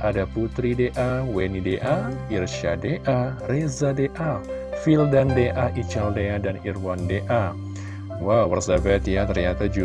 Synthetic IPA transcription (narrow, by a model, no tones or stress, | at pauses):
ʔadaput̪ɾideʔawenideʔairʃa̰deʔarezadeʔa | fildandeʔaʔit͡ʃaldeadanirwandeʔa | wawwərsabɛt̪jat̪ərɲat̪ad͡ʒu